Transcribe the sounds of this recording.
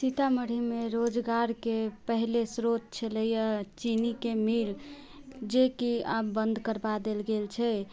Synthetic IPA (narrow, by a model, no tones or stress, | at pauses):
sit̪aməɽ̤imeɾod͡ʒɡaɾkepəɦlesɾot̪̚t͡ʃʰələjət͡ʃinikemil | d͡ʒekiabənd̪ʱkəɾbad̪elɡelt͡ʃʰɛ